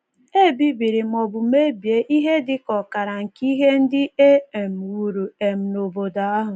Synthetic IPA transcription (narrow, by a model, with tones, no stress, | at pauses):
e˦˨bi˦bi˨ɾɪ˨m̩˨ɔ˨bʊ˨me˦bje˦ʔi˦ɦe˦dɪ˦kɔ˨ka˨ɾa˨ŋ̩˨ki˦ɦe˦n̩˦dɪ˦e˦e˨m̩˨u˨ɾu˨e˨m̩˨no˨bo˨da˨˦a˦ɦʊ˨